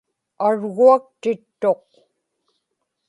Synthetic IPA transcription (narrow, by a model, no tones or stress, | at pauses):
aɻɣuak̚t̪ɪt̪ːo̞q̚